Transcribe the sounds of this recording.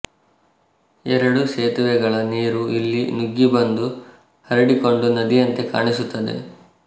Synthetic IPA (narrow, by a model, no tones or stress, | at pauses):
ɛɾɐɽuʃeːt̪uʋɛɡɐɭɐniːɾuilːinuɡːibɐnd̪u | hɐɾɐɽiko̞ɳɖunɐd̪ijɐnt̪e̞ka̰ːɳisut̪ːɐd̪e̞̰